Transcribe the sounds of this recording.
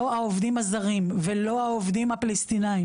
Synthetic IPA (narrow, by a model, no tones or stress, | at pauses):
oaovd̪imazaʁimvelo̞aovd̪imapalest̪inai